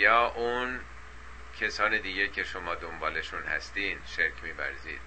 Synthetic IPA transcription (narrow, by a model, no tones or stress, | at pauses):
jɒːʔun | cʰesɒːned̪iːɟecʰe̞ʃo̞mɒːd̪ombɒːle̞ʃunhæ̰st̪iːnd̪ʃeɾcʰmiːvæ̰ɾzḭːd̪̥